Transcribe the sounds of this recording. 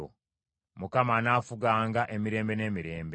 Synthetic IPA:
o̰ | mukamanaːfuɡaːŋɡaʔe̞miɾe̞ːmbe̞ne̞ːmiɾe̞ːmbe

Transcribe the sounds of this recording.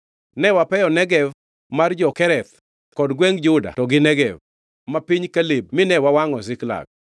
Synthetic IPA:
nɛwapɛjɔnɛɡɛv | mard͡ʒɔkɛɾɛt̪ | kɔdɡwɛŋd͡ʒʊda̰tɔɡɪnɛɡɛv | mapiɲkalib̚mɪnɛwawaŋɔs̬ɪkla̰ɡ̚

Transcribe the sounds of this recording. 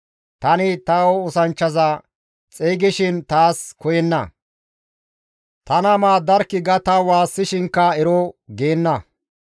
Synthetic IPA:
t̪ɐnɪt̪ɐoʊsɐnt͡ʃːɐzɐ | t͡sʼeːɡɪʃɪnt̪aːskɔjɛnːɐ̰ | t̪ɐnɐmaːd̪ɐɾkːɪɡɐt̪ɐwaːsːɪʃɪŋkːɐɛɾoɡeːnːɐ

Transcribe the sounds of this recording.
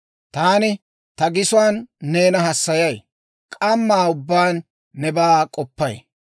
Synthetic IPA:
t̪aːnɪ | t̪ɐɡɪsʊwaːnːe̞ːnɐɦɐsːɐjɐj | kʼɐmːaːʊbːaːnː | ɛbaːkʼɔpːɐj

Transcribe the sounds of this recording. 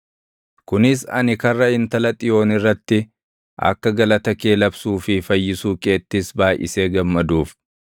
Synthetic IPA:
kʊnɪsɐ̰nɪkɐrːɐɪnt̪ɐlɐt̪ʼɪjo̞ːnɪrːɐt̪ːɪ | ʔɐ̰kːɐɡɐlɐt̪ɐke̞ːlɐbsuːfɪfɐjːɪsuːkʼe̞ːt̪ːɪsbaːjʔɪ̰se̞ːɡɐmːɐd̪uːf

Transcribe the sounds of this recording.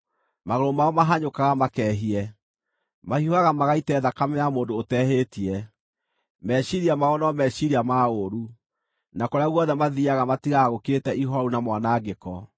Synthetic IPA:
maɣoɾomaɔmaɦaɲokaɣamakɛɦiɛ | mahioaɣamaɣaitɛðakamɛamoːndoːtɛɦeːtiɛ | mɛɕiɾiamaɔnɔmɛɕiɾiamaoɾu | nakoɾeaɣwɔðɛmaðiaɣamatiɣaɣoketɛʔiɦɔɾunamwanaɡekɔ

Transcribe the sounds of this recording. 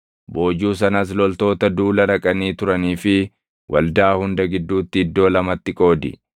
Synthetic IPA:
bo̞ːd͡ʒuːs̬ɐnɐs̬lɔlt̪o̞ːt̪ɐd̪uːlɐɾɐkʼɐniːt̪ʊɾɐniːfɪ | wʔɐ̰ld̪aːhʊnd̪ɐɡɪd̪ːuːt̪ːɪɪd̪ːo̞ːlɐmɐt̪ːɪkʼo̞ːd̪ɪ̰

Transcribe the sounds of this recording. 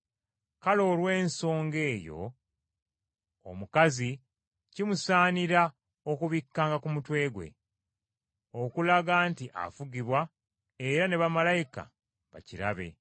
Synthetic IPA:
kalo̞ːɾwe̞ːnso̞ːŋɡe̞ːjo̞̰ | o̰mukazi | cimusaːniɾa | o̞kuβikːaːŋɡakumutwe̞ːɡwe̞̰ | okulaɡaːntiʔa̰fuɡiβwa | e̞ɾane̞βamalajika̰ | βa̰ciɾa̰βe̞̰

